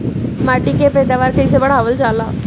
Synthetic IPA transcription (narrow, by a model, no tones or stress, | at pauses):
maʈikepɛd̪aʋaɾkəjsebəɽ̤aʋəld͡ʑala